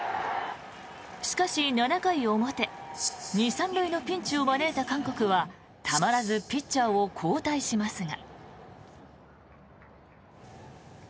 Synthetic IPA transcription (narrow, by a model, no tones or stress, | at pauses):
ɕi̥kaɕinanakaiomot̪e̞ɲisãnɾɯ̟ino̞pʲĩɲ̟t͡ɕiomane̞ːt̪akãŋko̞kɯ̟βa | t̪ʰamaɾazɨpʲit͡ɕt͡ɕːaːokʰo̞ːt̪aiɕimasɨŋa